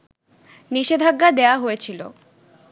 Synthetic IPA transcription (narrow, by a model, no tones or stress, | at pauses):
niʃed̪ʱaɡːad̪eaɦojet͡ɕʰilo̰